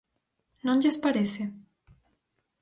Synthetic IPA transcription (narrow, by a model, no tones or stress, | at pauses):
nõŋʎespaɾeθɪ